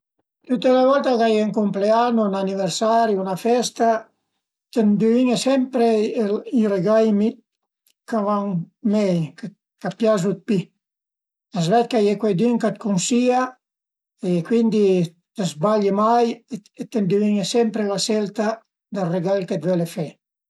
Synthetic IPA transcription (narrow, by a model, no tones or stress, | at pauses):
t̪ut̪ːelavɔlt̪akajeŋkumpleanːunaniveɾsaɾjunafɛst̪a | t̪end̪iviɲesɛmpɾeireɡajmi | kavaŋ | mɛjk | kapjaz̬ut̪̚pi | azvɛt̪̚kajekwɛjd̪yŋkat̪kunsia | ekwind̪i | t̪ezbaʎemajet̪end̪iviɲesɛmpɾelasɛlt̪a | d̪areɡajket̪vɛlefɛ